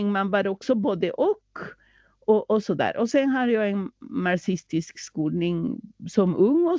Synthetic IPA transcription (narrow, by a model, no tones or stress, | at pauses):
ŋmɛnʋɑɾɔksɔboːd̪əʔɔk | ɔʔɔsɔd̪æ̰ːɾʔɔsɛnɦɑd̪ɛjɑɛnnɑsɪst̪ɪskskuːlnɪŋsɔmɵŋːɔ